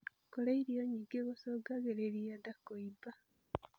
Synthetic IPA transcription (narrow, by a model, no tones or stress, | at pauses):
kolaiɾioɲiɡeɣosoɡaɣeɾeɾijadakːoiba